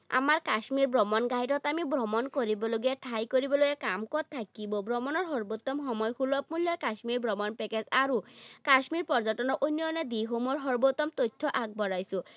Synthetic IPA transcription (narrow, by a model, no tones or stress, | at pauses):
a̰maɹkasmiɹbɹɔmɔnɡajtɔt̪amibɹɔmɔnkoɹibɔloɡiɛtʰajkoɹibɔloɡɛkamkɔt̪ʰːakibɔbɹɔmɔnɔɹɦɔɹbot̪ːɔmxɔmɔjxʰulɔp̚muljɔkasmiɹbʱɹɔmɔnpɛkezaɹukasmiɹpɔɹzɔtɔnɔʔojnɔnɔd̪iɦomɔɹɦɔɹbot̪ːɔmt̪ojtʰːɔʔak̚bɔɹajsʊ̃